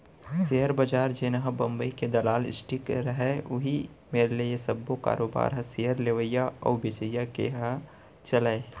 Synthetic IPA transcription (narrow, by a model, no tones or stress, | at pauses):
seɦəɾbəd͡ʒaːɾd͡ʒeːnɐɦəbɐ̃mbəiked̪ɐlaːlɪ̰sʈʰikɾəɦɛʊɦi | meːɾelejesɐbːoka̰ːɾʔoːba̰ːɾɦɐseɦəɾleʋəjaɔ̰ːbɪt͡ʃəjːakḛɦɐ | t͡ʃɐlae